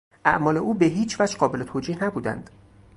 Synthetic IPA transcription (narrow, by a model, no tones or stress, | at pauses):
ʔæʔmɒːle̞ʔuːbeɦiːt͡ʃʰvæd͡ʒɢɒːbe̞let̪ʰoːd͡ʒiːhnæbuːd̪æ̰nd̪̥